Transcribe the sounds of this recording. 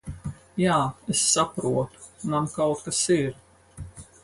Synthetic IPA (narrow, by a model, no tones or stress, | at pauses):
jaːesːapɾuɔt̪u̥namkawt̪kasiɾ